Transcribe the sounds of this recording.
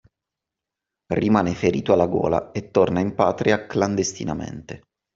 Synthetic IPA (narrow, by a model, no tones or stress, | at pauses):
rimaːnefeɾiːt̪oalːaɡo̰ːla̰et̪ːornaimpaːt̪ɾiakland̪est̪ḭnamḛnt̪e